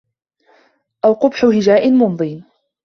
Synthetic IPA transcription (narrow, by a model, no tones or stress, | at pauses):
ʔawqʊbħʊhɪd͡ʒaːʔɪmʊnðˤiːn